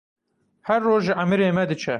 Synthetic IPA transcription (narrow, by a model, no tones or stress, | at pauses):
hɛɾːoːʒʒɨʔamɨɾeːmɛd̪ɨt͡ʃʰɛ